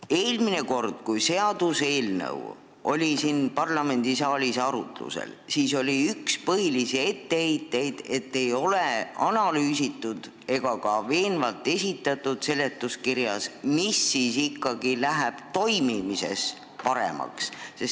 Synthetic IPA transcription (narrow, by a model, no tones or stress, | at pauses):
e̞ːlmine̞ko̞rd̪̥̚kujse̞ɑd̪̥use̞ːlnə̰w̰ | ʔo̞̰lʲisinpɑrlɑme̞nd̪̥isɑːlʲisɑɾṵt̪lṵsḛl | siːso̞lʲiykspɤɦilisie̞t̪ːejt̪ːe̞jd̪̥e̞t̪ːe̞jo̞leɑnɑlyːsit̪ːˑud̪̥ | e̞ɡ̥ɑkɑve̞ːnvɑlt̪ːˑe̞sʲit̪ːˑɑt̪ːˑud̪̥se̞le̞t̪ːˑuskiɾjɑ̰smisːiːsikˑːɑɡ̥ilæɦæb̥t̪o̞jmimise̞̰s | pɑɾḛmɑ̰ksses